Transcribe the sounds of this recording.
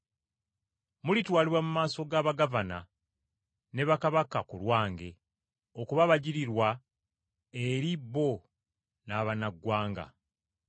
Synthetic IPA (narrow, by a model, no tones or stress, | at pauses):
mulitwaːliβwamumaːso̞ɡaːβaɡavana̰ | ne̞βakaβakakulwaːŋɡe̞ | okuβaβaɟiɾiɾwa | e̞ɾibːo̞ | naːβanaɡwaːŋɡa̰